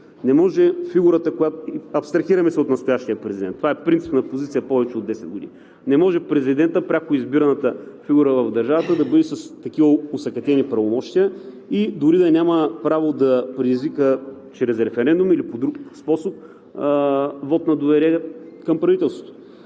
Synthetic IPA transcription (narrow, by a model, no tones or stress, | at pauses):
nɛmɔʒɛfiɡuɾət̪əkojat̪ɐpst̪ɾɐxiɾɐmɛsɛot̪nɐst̪ʊjaʃt̪ijəpɾɛzid̪ɛnt̪ːovaɛpɾint̪si̥pnɐpozit̪sijəpɔvɛt͡ʃɛod̪ːɛsɛd̪̚ɡoʊd̪ḭn | nɛmɔʒɛpɾɛzid̪ɛnt̪əpɾʲakʊizbiɾɐnət̪əfiɡuɾəvɐvd̪ɐɾʒavət̪əd̪ɐbɤd̪ɛsɐst̪ɐkivəosɐkɐt̪ɛnipɾɐvomɔʃt̪iə | id̪ʊɾid̪ɐnʲaməpɾavod̪ɐpɾɛd̪izvikə | t͡ʃɾɛsɾɛfɛɾɛnd̪umilipod̪ɾukspɔsop̚ | vɔt̪nɐd̪ovɛɾiɛkɐmpɾɐvit̪ɛlˠst̪vo̥t̪o̥